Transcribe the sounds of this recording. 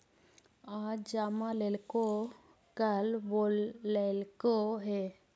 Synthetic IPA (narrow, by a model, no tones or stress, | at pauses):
ad͡ʒd͡ʒaːmalelko | kəlbolːeːlkoɦe